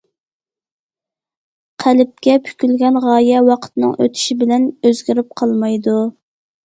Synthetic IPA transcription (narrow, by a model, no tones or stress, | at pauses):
qʰælɪp̚kʲɛpʰy̥kʲylɡʲɛnʁɑːjɛwɑqʰə̥t̪nɨ̰ŋʔø̰t̪ʰy̥ʃibɪlɛnøzɡʲiɾɪp̚qʰɑlˠmɑjd̪u